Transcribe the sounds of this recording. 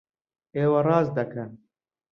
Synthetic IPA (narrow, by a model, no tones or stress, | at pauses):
eːwɐrɑːzd̪ɐkʰɐ